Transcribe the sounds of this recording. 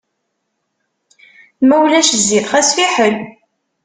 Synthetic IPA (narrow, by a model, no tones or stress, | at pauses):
mæwlæʃzːiðχæsfiħəl